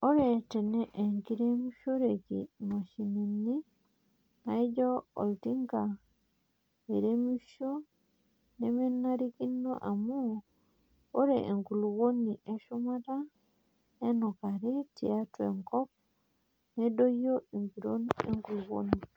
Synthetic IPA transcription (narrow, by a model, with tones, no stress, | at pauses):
o˦ɾete˨neʔe˨ŋki˦ɾemuʃo˦ɾekḭma˨ʃi˨ni˨nːi˦ | na˨id͡ʒo˦o̰˨ltiŋɡa | e˨ɾemi˦ʃo˦ | neme˦nːa˦ɾiki˦nːo̰˦ʔa˨mu | o˦ɾeʔe˨ŋɡu˨lwo˦nːi˨ʔe˦ʃuma˦ta | e˦no˨ka˨ɾeti˨atwḛŋkɔp̚ | ne˦do˦joi˨ŋɡi˨ɾonḛŋɡu˨lwo̰ni